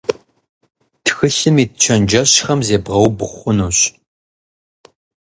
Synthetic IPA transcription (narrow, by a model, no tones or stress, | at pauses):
tʰxɨɬɨmiːtt͡ʃʰɐnd͡ʒɐɕxɐmzeːbʁɐwbɨχʷʊnuːɕ